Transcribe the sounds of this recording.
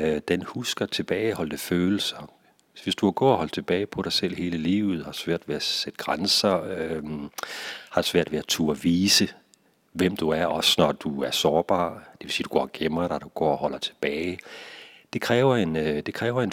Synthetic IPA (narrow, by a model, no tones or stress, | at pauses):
d̥enhusɡ̥ɐt͡sʰe̝b̥ɛːɪhɒ̽l̰d̥əføːl̩sɐ | ʋe̝sd̥uɑɡ̥ɔ̰ːɐɦɒ̽l̰d̥̚t͡sʰe̝b̥ɛːɪpʰɒ̽ɾ̥ɑ̈ɪsel̰he̝ːləlḭːʊð̩ˠhɑ̈d̥sʋæɐ̰d̥ʋeæsed̥ə̥ɡ̥ʁansɐ | hɑ̈d̥sʋæɐ̰d̥ʋe̝æt͡sʰṵːɒʋiːsə | ʋem̰d̥uæɐɒ̽snɒd̥uæɐsɒːb̥ɑ̰̈ːd̥e̝ʋe̝siːd̥uɡ̥ɒ̰ːɡ̥emɐd̥ɑd̥uɡ̥ɒ̰ːɒhɒ̽l̰ɐt͡sʰe̝̥b̥ɛːɪ | d̥e̝kʰʁɛːʊɐe̝nd̥e̝kʰʁɛːʊɐe̝n